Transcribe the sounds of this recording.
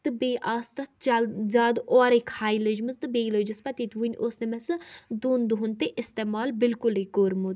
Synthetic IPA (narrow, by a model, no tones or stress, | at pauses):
t̪ɨbeːʔaːst̪ɐt͡ʃzaːd̪oːɾekʰaːjləd͡ʒmɨzt̪ɨbeːləd͡ʒispɐt̪iːt̪ʋunʲʔoːsnemɛsɨd̪uːnd̪uɦunt̪eʔɪst̪eːmaːlbɪlkʊlekoːɾmud̪